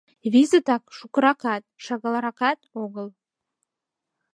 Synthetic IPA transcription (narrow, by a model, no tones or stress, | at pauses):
vʲizət̪ɑkʃukɾɑqɑt̪̚ʃɑɣɑlˠɑɾɑqɑt̪oɣəlˠ